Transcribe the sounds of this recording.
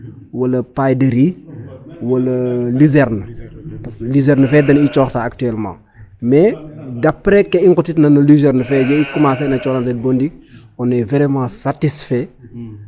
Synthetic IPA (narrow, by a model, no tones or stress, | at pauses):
wɐlɐpajdəɾi | wɐlɐlizɛɾnəɐslizɛɾnəfɛːdɐnit͡ʃɔːxtaːk̚tyɛlmã̰ | mɛdɐpːɾɛkːɛiŋkutitnɐnɐlizɛɾnəfɛɟɐikumas̬ɛnɐt͡ʃɔːnɐdɛt̚bɔndik̚ | ɔnːɛvɛɾɛmãːsatisfɛ